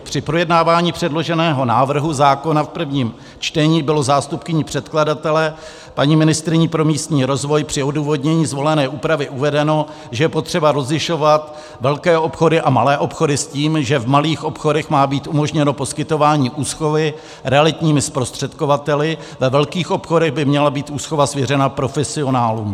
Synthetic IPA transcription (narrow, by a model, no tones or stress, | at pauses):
pr̝̥ɪpɾo̞jɛdnaːvaːɲiːpr̝̥ɛdlo̞ʒɛnɛːɦo̞naːvr̩ɦuzaːko̞nafpr̩vɲiːm | t͡ʃt̪ɛɲiːbɪlo̞zaːst̪upkɪɲipr̥ɛt̪kladat̪ɛlɛ | paɲimɪnɪst̪ɾɪɲiːpɾo̞miːst̪ɲiːɾo̞zvo̞jpr̥ɪo̞duːvo̞dɲɛɲiːzvo̞lɛnɛːʔuːpɾavɪʔuvɛdɛno̞ | ʒɛjɛpo̞t̪r̝̥ɛbaɾo̞zlɪʃo̞vat̪ | vɛlkɛːʔo̞pxo̞dɪʔamalɛːʔo̞pxo̞dɪsciːmʒɛvmaliːxʔo̞pxo̞dɛxmaːbiːt̪ʔumoʒɲɛno̞po̞skɪt̪o̞vaːɲiːʔuːsxo̞vɪ | ɾɛalɪt̪ɲiːmɪspɾo̞st̪r̝̥ɛt̪ko̞vat̪ɛlɪ | vɛvɛlkiːxʔo̞pxo̞dɛɣbɪmɲɛlabiːt̪ʔuːsxovasvjɛrɛnapɾo̞fɛsɪo̞naːluːm